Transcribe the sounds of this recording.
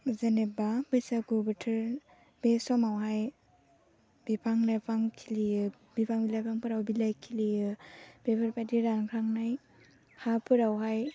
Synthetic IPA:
zenebabɯjsaɡubatʰɯɾ | besɔmawɦaj | b̥ipʰaŋnajpʰaŋkʰilijɯ | bipʰaŋbilajpʰaŋpʰɯɾawbilajkʰilijɯb̥epʰaɾpʰajdiɾankʰɾaŋnaj | hapʰɯɾawɦaj

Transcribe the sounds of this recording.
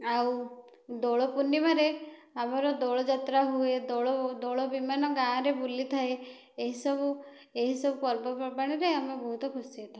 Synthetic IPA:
aw | d̪oɭɔpunːimaɾe | amɔɾɔd̪oɭɔd͡ʒat̪ɾaɦued̪ɔɭɔd̪oɭɔbimanɔɡãːɾebulit̪ʰae | eɦisɔbu | eɦisɔbupɔɾbɔpɔbaɽ̃iɾeamebɔɦut̪ɔkʰusiet̪ʰae

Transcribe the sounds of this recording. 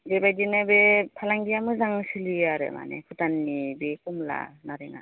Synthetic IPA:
debajdinɯbepʰalaŋɡijamɯzaŋsiliaɾɯ̰ma̰nḛkʰutanːibekumla̰naɾeŋa̰

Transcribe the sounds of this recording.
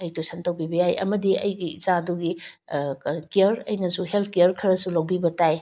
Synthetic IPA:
ɐjtosɐntɐwbibɐjajʔɐ̰mɐdiɐjɡiːzaduɡi | kijɐɾɐ̰jnɐsuɦelt̚ʰkijɐɾkʰɐɾɐsulɐwbibɐtaj

